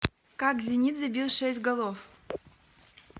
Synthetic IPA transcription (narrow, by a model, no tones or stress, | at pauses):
kɑkzʲinʲit̪zʲɘbʲilˠʂesʲt̚ʲɡolˠof